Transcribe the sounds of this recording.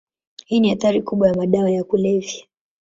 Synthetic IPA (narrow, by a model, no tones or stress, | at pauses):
hiːniaθaɾikuɓwajamaɗawajakulɛvja